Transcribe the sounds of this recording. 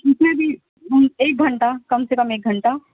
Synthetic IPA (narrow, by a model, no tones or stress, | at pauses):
ɪsmẽbʱi | ɦmeːk̚ɡʱɐ̃ɳʈakɐmsekɐmeːk̚ɡʱɐ̃ɳʈa